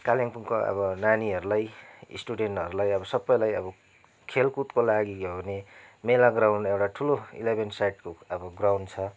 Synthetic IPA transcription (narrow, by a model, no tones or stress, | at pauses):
kaliŋpuŋkoʌ̰bʌnaniɦʌɾulajḭsʈuɖenʈʌɾulajʌbʌsʌbːʌjlajʌbʌ | kʰelkut̪kolaɡiɡobʱʌnemelaɡrawnɖewʈaʈʰuloḭlebʱensajʈkoʌbʌɡrawnt͡sʰʌ